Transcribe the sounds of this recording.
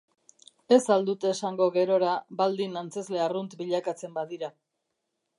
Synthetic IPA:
e̞sald̪ut̪e̞ːsaŋɡo̞ɣe̞ɾo̞ɾabald̪inant͡se̞zle̞arunt̪biʎakat͡se̞mbaðiɾa

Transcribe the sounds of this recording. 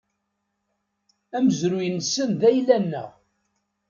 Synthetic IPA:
æməzɾujənsənðæjlænːə̰ʁ

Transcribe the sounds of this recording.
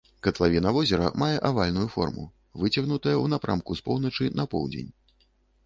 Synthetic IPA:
kɐt̪lˠavʲinɐvɔzʲɛɾɐ̰majɛʔavalʲnujufɔ̰rmṵ | vɨt͡sʲɐɣnut̪ɐjɐunapɾamkuspɔwn̪ɐt͡ʂɨnɐpɔ̰wd͡zʲḛnʲ

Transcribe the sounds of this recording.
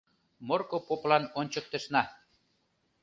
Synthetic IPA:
morkopoplɑnonʲt͡ɕə̆k̚t̪ə̆ʃnɑ

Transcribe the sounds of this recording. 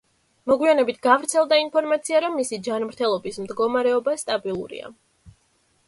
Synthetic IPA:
mɔɡwianɛbit̪ʰɡavɾt̪sʰɛlˠd̪ainpʰɔɾmat̪sʰiaɾɔmːisid͡ʒanmɾt̪ʰɛlˠɔbismd̪ɡɔmaɾɛɔbast̪ʼabilˠṵɾḭa̰

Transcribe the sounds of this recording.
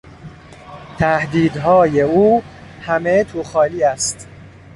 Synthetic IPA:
t̪ʰæhd̪iːd̪ɦɒːjeuː | hæmet̪ʰuːxɒːliːæst̪

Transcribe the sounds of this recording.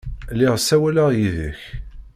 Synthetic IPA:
liʁsæwælæʁjiðə̰ç

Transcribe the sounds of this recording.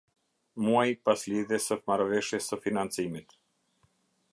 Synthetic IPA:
muajpasliðɛsəmaɾvɛʃjɛsəfinant͡simit̪

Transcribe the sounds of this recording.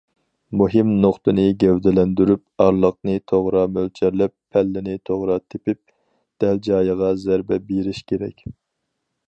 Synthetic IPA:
muɦɪmnoχt̪ɨnɨɡʲɛwd̪ɛlɛnd̪yɾyp̚ɑɾlˠəq̚nɨt̪ʰoʁɾɑmølt͡ʃʰɛɾlɛpʰːɛlːɪnɪt̪ʰoʁɾɑt̪ʰepɪp̚ | d̪̥ɛld͡ʒɑːjəʁɑzæɾbɛbeɾɪʃkʲʰeɾɛ̰kʲ

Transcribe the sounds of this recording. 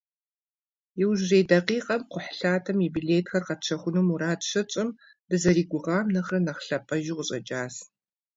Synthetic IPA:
jɪwʒreːdɐqiːqʼɐmqʷʊħɬaːtʰɐmibiɮeːtxɐrqɐt̚ʈ͡ʂʰɐχʷʊnumuɾaːtʂɐt͡ʃʼɪm | d̥ɨzɐɾiːɡʷʊʁɑːmnɐχrɐnɐχɬɐpʼɐʒɪʁʷʊɕʼɐd͡ʒʼaːs

